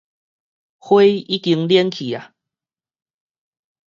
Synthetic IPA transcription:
hwe˦i˦ki˧ŋljiɛ˦nkʰi˨a˨

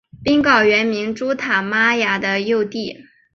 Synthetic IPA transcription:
pi˥ŋkɑ˥˩ʊɥɛ˧˥nmi˧˥ŋʈ͡ʂu˥t̪ʰa˨˩ma˥ja˨˩d̪ə˧jo˥˧ʊt̪i˥˩

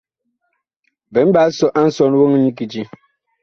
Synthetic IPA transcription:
bɛ˨˦m̩˦ba˨˦sɔ˦ʔa˦n̩˦sɔ˦˨n˦wo˦ŋ˦ɲi˦ki˨d͡ʒi˦

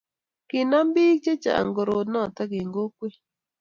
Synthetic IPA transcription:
kɪ˨na˦mbi˦k̚t͡ʃe˦t͡ʃa̰˨a̰˨ŋɡo˨ɾo˨nɔ˦˨ta˦ɡe˨ŋɡo˦kwe˦

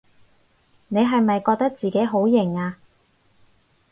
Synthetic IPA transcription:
ne˨˧jɦɐ˨jmɐ˨jkɔː˧k̚t̪ɐ˥k̚t͡siː˨ke˨˥jɦo˨˥wjɪ˨˩ŋaː˧

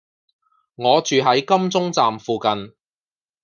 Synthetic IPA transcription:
ŋɔː˨˧t͡ʃyː˨ɦɐ˨˥jkɐ˥mt͡sʊ˥ŋt͡saː˨mfuː˨kɐ˨n

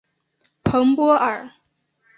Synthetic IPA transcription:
pʰɤ˧˥ŋpwɔ˥ə˞˨˩

